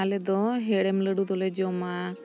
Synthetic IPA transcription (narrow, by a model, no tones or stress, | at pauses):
aled̪ɔɦeɽemləɽut̪oled͡ʒoma